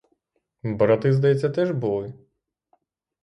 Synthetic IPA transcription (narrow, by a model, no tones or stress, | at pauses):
bɾɔt̪ɪzd̪ɐjɛt͡sʲːɐt̪ɛʒbulˠɪ